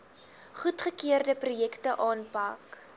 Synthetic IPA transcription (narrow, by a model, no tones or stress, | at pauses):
χutχəkiərdəprujɛktəʔɑːnpɐk